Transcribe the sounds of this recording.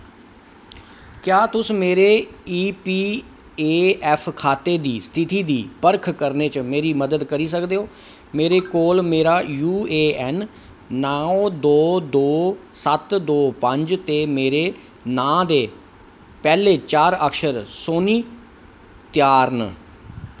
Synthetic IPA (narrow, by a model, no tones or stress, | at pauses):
kjaːt̪ʊsmeːɾeːiːpiː | eːɛːpʰkʰaːt̪eːd̪iːst̪ʰɪt̪iːd̪iːpəɾkʰkəɾneːt͡ʃmeːɾiːməd̪əd̪kəɾiːsəkd̪eːɦoː | meːɾeːkoːlmeːɾaːjuːeːɛːnː | aːõd̪oːd̪oːsət̪d̪oːpəɲd͡ʒt̪eːmeːɾeː | nãːd̪eː | pɛːleːt͡ʃaːɾəkʃəɾsoːniː | t̪jaːɾn